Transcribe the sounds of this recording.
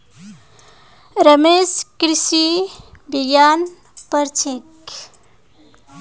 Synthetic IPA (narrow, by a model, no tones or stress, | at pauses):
ɾəmeskɾisibiɡan | pəɾt͡ʃʰek